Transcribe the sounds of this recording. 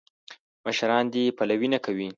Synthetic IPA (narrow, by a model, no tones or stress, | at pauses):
məʃɾɑnd̪epalawinakawi